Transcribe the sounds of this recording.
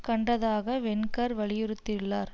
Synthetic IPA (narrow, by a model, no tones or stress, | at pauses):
kɐɳɖɐðaːɣɐʋɛnkɐɾʋɐɭɪjɯɾɯt̪ːɪɭːaːɾ